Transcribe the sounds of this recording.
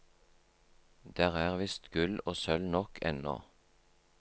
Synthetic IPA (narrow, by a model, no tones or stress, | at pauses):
d̪̥æːʁæːʁʋɪst̪ɡ̥ʉloːsœlnɔkʰɛ̰nɔ̰ː